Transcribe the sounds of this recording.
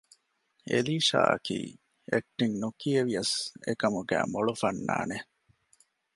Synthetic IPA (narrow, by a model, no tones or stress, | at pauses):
ʔḛliːʃa̰ːʔɐ̰kḭː | ek̚ʈiŋnukieʋiɐsekɐmuɡæːmoɭufɐnːa̰ːne